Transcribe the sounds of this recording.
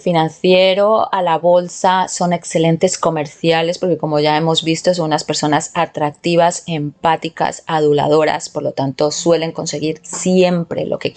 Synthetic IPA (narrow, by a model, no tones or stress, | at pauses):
finãnθje̞ɾo̞alaβo̞lsaso̞ne̞kse̞le̞nt̪e̞sko̞me̞ɾθjale̞spo̞ɾke̞ko̞mo̞ʝae̞mo̞zβist̪o̞s̬ounaspe̞ɾso̞nasat̪ɾak̚t̪iβ̞ase̞mpat̪ika̰saðula̰ðo̞ɾa̰spo̞ɾlo̞t̪ant̪o̞swe̞le̞ŋko̞nse̞ɣ̞iɾsje̞mpɾe̞̰lʔo̞̰ke̞